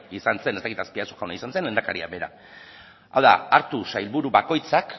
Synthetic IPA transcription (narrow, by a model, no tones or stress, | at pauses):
isanse̞ne̞st̪akit̪aspiasuʝawnaisanse̞nlend̪akaɾia̰βe̞ɾa̰ | a̰wða̰aɾt̪usajlβuɾuβako̞jt͡sak